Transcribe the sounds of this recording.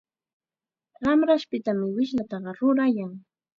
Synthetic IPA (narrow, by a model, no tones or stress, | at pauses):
ɢɑmɾaʃpɪt̪amɪwɪʃlat̪ɑɢɑɾʊɾajaŋ